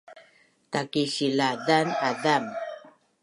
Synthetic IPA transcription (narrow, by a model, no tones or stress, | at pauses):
t̪akiɕiladanadam